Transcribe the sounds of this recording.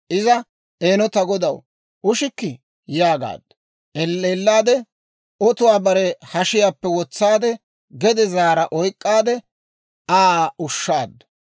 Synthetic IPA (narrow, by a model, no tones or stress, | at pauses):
ʔɪzɐ | eːnɔt̪ɐɡɔd̪ɐw | ʊʃɪkːɪ | jaːɡa̰ːd̪̥ːɐ | ɛelːaːd̪ɛ | ʔɔt̪ʊwaːbɐɾɛhɐʃɪjaːpːɛwɔt͡sːaːd̪ɛ | ɡɛd̪ɛzaːɾɐʔɔjkʼːaːd̪ɛ | aːʊʃːaːd̪ːɐ̥